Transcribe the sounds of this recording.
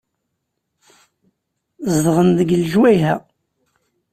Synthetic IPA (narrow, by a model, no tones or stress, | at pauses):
zðʁənðəɡəlʒwæjɦæ